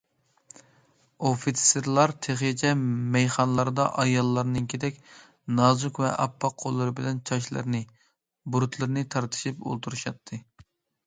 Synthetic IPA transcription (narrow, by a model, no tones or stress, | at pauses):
ofit̪seɾlˠɑɾt̪ʰeχt͡ʃʰɛmɛjχɑnlˠɑɾɨd̪ɑʔɑjɑlˠːɑɾnɨŋkʲʰed̪ɛkʲ | nɑːzukvɛ̰ʔɑpʰːɑqʰːolˠːɨɾɨbɪlɛnt͡ʃʰɑʃlˠɨ̰ɾnɨ | buɾut̪ʰlˠɨɾɨnɨt̪ʰɑɾt̪ʰɨ̥ʃipo̰lˠt̪ʰuɾuʃɑt̪ʰːɨ